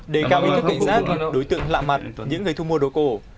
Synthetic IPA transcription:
ɗe˧˩kaː˧˩wʔt̪ʰːkʊ̰˧˨˧ŋ͡mzaː˦˥t̚ɗo˨˦jt̪ɨ̰˧˨əŋla̰ː˧˨ma˨˩t̚ɲɨ̰˧˥ŋːɨ˨˩əjt̪ʰu˧mu˧əɗo˨˩ko˧˩

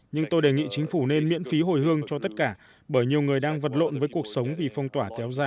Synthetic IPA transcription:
ɲɨ˧ŋt̪o˧jɗe˨˩ŋḭ˧˨t͡ɕï˨˦ŋ̟fu˧˩ne˧nmḭ˧˥ənfi˨˦ɦo˧˩jhɨ˧əŋt͡ɕɔ˧t̪ə˦˥t̚kaː˧˩ | ɓəː˧˩jɲi˨˩əwŋɨ˨˩əjɗaː˧ŋvə˨˩t̚lo̰˧˨nvəː˨˦jku˨˩ək̚sə˨˦wŋ͡mvi˨˩fɔ˧wŋ͡mt̪waː˧˩kɛ˨˦wzaː˧˩

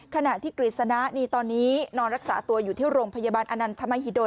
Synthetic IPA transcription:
kʰa˧na˨˩ʔt̪ʰiː˥˩ɾi˨˩t̪̚sa˧na˦˥niː˧t̪ɔː˧nːiː˦˥nɔː˧nɾa˦˥k̚saː˩˦t̪u˧ɐjuː˨˩t̪ʰiː˥˩wɾoː˧mpʰa˧jaː˧baː˧nʔa˧na˧nt̪ʰa˧ma˧jɦi˨˩doː˧

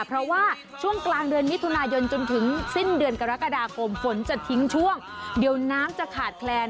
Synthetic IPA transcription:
pʰɾɔ˦˥waː˥˩ | t͡ɕʰu˥˩əŋklaː˧ŋdɯː˧ənmi˦˥t̪ʰu˧naː˧jo˧nt͡ɕo˧nt̪ʰɯ˩˦ŋsi˥˩ndɯ˧ənka˧ɾa˦˥ka˧daː˧kʰo˧mfo˩˦nt͡ɕa˨˩t̪ʰi˦˥ŋt͡ɕʰu˥˩əŋdi˨˧˩əwnaː˦˥mt͡ɕa˨˩kʰaː˨˩t̪̚kʰlɛː˧n

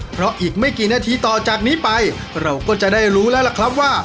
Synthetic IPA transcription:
pʰɾɔ˦˥ʔiː˨˩k̚ma˥˩jkiː˨˩naː˧t̪ʰiː˧t̪ɔː˨˩t͡ɕaː˨˩k̚niː˦˥pa˧j | ɾa˧wkɔː˥˩t͡ɕa˨˩ʔdaː˥˩jɾuː˦˥lɛː˦˥wla˨˩kʰɾa˦˥p̚waː˥˩

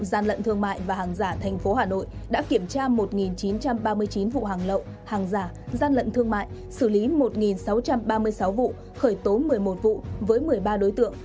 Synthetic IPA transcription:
zaː˧nlə̰˧˨nt̪ʰɨ˧əŋma̰ː˧˨jvaː˨˩haː˨˩ŋzaː˧˩t̪ʰɛ˨˩ŋ̟fo˨˦haː˨˩no̰˧˨jɗa̰ː˧˥ki˧˩əmt͡ɕaː˧mo˨˩t̚ŋi˨˩nt͡ɕi˨˦nt͡ɕa˧mɓaː˧mɨ˧əjt͡ɕi˨˦nvṵ˧˨haː˨˩ŋlə̰˧˨w | haː˨˩ŋzaː˧˩ | zaː˧nlə̰˧˨nt̪ʰɨ˧əŋma̰ː˧˨jʔ | sɨ˧˩li˨˦mo˨˩t̚ŋi˨˩nsa˨˦wt͡ɕa˧mɓaː˧mɨ˧əjsa˨˦wvṵ˧˨ | xəː˧˩jt̪o˨˦mɨ˨˩əjmo˨˩t̚vṵ˧˨vəː˨˦jmɨ˨˩əjɓaː˧ɗo˨˦jt̪ɨ̰˧˨əŋ

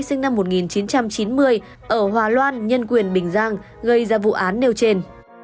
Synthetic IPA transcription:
jsï˧ŋna˧mːo˨˩t̚ŋi˨˩nt͡ɕi˨˦nt͡ɕa˧mt͡ɕi˨˦nmɨ˧əj | ʔəː˧˩ɦwaː˨˩lwaː˧nɲə˧nkwi˨˩ənɓï˨˩ŋ̟zaː˧ŋ | ɣə˧˩jzaː˧˩vṵ˧˨ʔaː˨˦nːe˧wt͡ɕe˧n

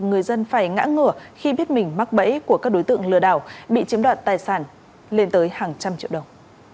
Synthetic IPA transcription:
ŋɨ˨˩əjzə˧nfaː˧˩jŋa̰ː˧˥ŋɨ˧˩əxi˧ɓi˦˥ət̚mï˨˩ŋ̟ma˦˥k̚ɓə̰˧˥jku˧˩əkaː˦˥k̚ɗo˨˦jt̪ɨ̰˧˨əŋlɨ˨˧˩əɗaː˧˩wɓḭ˧˨t͡ɕi˨˦əmɗwaː˨nt̪aː˨˩jsaː˧˩n | le˧nt̪əː˨˦jhaː˨˩ŋt͡ɕa˧mt͡ɕḭ˧˨əwɗə˨˩wŋ͡m

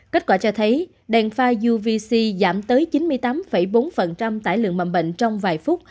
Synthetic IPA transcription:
ke˦˥t̚kwaː˧˩t͡ɕɔ˧t̪ʰə˨˦j | ɗɛ˨˩nfaː˧zu˧vi˧si˧zaː˧˩mt̪əː˨˦jt͡ɕi˨˦nmɨ˧əjt̪aː˨˦mfə˧˩jɓo˨˦nfə˨˩nt͡ɕa˧mt̪a̰ː˧˨jlɨ̰˧˨əŋma̰˧˨˩nɓə̰˧˨ŋ̟t͡ɕɔ˧wŋ͡mvaː˨˩jfʊ˦˥t̚

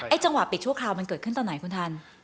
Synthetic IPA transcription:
ʔaː˥˩t͡ɕa˧ŋwa˨˩pi˨˩t͡ɕʰu˥˩əkʰɾaː˧wma˧nkɤː˨˩kʰɯ˥˩nt̪ɔː˧˩na˩˦jkʰu˧nt̪ʰa˧n

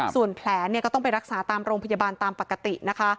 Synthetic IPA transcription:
su˨˩ənpʰlɛː˩˦ni˥˩kɔː˥˩t̪ɔ˥ŋpa˧jɾa˦˥k̚saː˩˦t̪aː˧mɾoː˧ŋpʰa˧jaː˧baː˧nt̪aː˧mpa˨˩kːa˧t̪i˨˩na˦˥kʰa˦˥

